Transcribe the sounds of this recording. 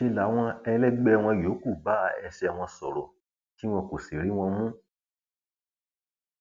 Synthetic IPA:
ʃe˧la˨˦w̃ɔ̃˧ɛ˧lɛ˦ɡ͡bɛ˦˧˨w̃ɔ̃˧˨jo˨˦ku˦˨ba˦ɛ˧ʃɛ˧a˨w̃ɔ̃˧sɔ̰˨ɾɔ˨ | ki˦w̃ɔ̃˧ko˨si˨ɾi˨˦w̃ɔ̃˧mũ˦

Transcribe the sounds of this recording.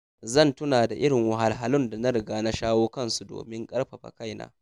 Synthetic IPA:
zɐ˦˨ntʊ˦naː˨da˨ʔɪ˦ɽɪ˨ŋwɐ˨ɦa˨lɦa˦lʊ˦nda˨na˦ɽɪ˨ɡaː˦na˦ʃaː˦woː˦kɐ˦˨nsu˨do̰ː˨mɪ˦ŋkʼɐ˦ɽɸa˨ɸa̰˨ka˦jna̰ː˦

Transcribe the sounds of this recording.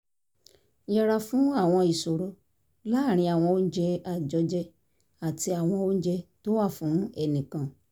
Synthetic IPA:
jɛ˦˧ɾa˧fũ˨˦a˦˨w̃ɔ̃˧i˨so˨ɾo˧˦ | la˦˨ɾ̃ĩ˧a˨w̃ɔ̃˧o˧˦d͡ʒɛ˧a˧˨d͡ʒɔ˧d͡ʒɛ˧ | a˨ti˧a˨w̃ɔ̃˧o˦d͡ʒɛ˧to˦wa˦˨fũ˨˦ɛ˦˨nĩ˨kã˨

